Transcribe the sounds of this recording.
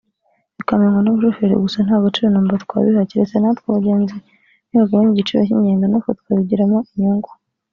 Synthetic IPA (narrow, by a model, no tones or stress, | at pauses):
βikamaŋɡanuβuʃofeɾḭɡusan̥haːɡot͡ʃiɾanoːmbatkwa̰βihaciɾesenat̪kwaɡeːnzi | n̥iβaɡoβaɲiɟit͡ʃiβaçiɲeːŋɡanofat̪u̥kaβiɟiɾamoiɲoːŋɡwa